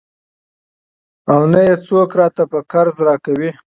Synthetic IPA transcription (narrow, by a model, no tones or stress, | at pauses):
awnajet͡sokɾɑt̪apəkaɾzɾɑkawi